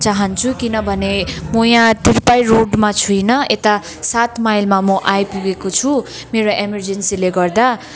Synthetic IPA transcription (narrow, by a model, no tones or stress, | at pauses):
t͡saɦʌnt͡sʰukinʌbʱʌnemojãt̪irpajroɖmat͡sʰujnʌet̪a | sat̪majlmamʌʔajpuɡekot͡sʰu | meɾoʔemʌrd͡zensileɡʌrd̪a